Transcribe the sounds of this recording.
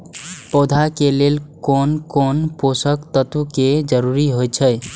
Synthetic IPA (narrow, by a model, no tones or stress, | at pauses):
pod̪ʱakelelkonkonposəkt̪ət̪uked͡ʒəɾuɾiɦojt͡ʃʰəj